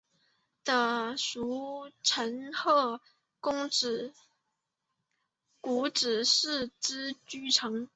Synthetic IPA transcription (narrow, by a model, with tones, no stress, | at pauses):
d̪̥ə˧ʂu˧˥ʈ͡ʂʰə˧˥nxɤ˥˩ | kʊ˥ŋ̩˨˩ | ku˧˥ʈ͡ʂɻ̩˨˩ʂɻ̩˥˩ʈ͡ʂɻ̩˥t͡ɕy˥˩ʈ͡ʂʰɤ˧˥ŋ